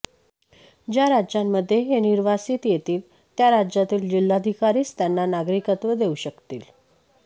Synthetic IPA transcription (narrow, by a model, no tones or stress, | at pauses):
d͡ʑjaɾad͡ʑjamːəd̪ʱːjeɦeniɾʋasiːt̪jet̪iːl | t̪jaɾad͡ʑjat̪iːld͡ʑil̤ːad̪ʱikaɾiːst̪janːanaɡɾikət̪ʋəd̪euɕəkt̪ḭːl